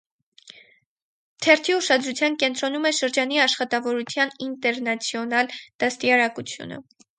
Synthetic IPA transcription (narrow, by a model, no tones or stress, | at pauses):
t̪ʰɛɾt̪ʰiuʃɑd̪ɾut͡sʰjɑnkɛnt̪ɾɔnumɛʃəɾd͡ʒɑniɑʃχɑt̪ɑvɔɾut͡sʰjɑnint̪ɛɾnɑt͡sʰjɔnɑld̪̥ɑst̪iɑɾɑkut͡sʰjṵnə̰